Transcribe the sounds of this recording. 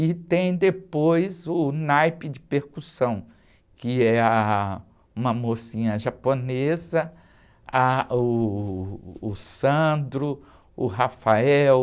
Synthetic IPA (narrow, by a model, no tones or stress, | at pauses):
ɪt̪ẽj̃d̪epojzʊnajpɪd͡ʒɪpeɾkusɐ̃w̃ | kɪɛɐ | ũmɐmosĩɲɐʒaponezɐ | aʊ | sɐ̃nd̪ɾʊ | ʊɦafaɛw